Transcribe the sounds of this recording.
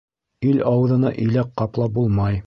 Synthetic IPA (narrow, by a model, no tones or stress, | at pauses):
ilɑwɤ̆ðɤ̆nɑʔɵ̆jlækqːɑplˠɑp̚bulˠmɑj